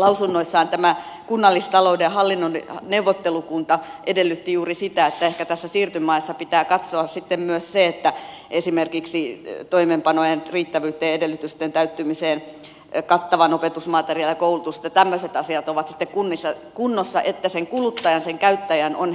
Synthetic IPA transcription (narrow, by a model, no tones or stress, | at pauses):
lɑusunːoisːɑːnt̪æmækunːɑlːist̪ɑloudehɑlːinːonneuʋot̪ːelukunt̪ɑʔedelːyt̪ːijuːrisit̪æet̪ːæehkæt̪æsːæsiːrt̪ymɑisːɑpit̪æːkɑt̪soɑssit̪ːemmyøsseet̪ːæ | esimerkiksit̪oimempɑnojenriːt̪ːæʋyːt̪ːˑeːedelːyt̪yst̪ent̪æyt̪ːymiseːn | kɑt̪ːɑʋɑnopet̪usmɑt̪eriɑljɑkoulut̪usĕ̥t̪jɑt̪æmːøset̪ɑsiɑt̪oʋɑt̪si̥t̪ːekkunːisːɑkunːosːɑ̰ʔet̪ːæseŋkulut̪ːɑjɑnseŋkæyt̪ːæjænon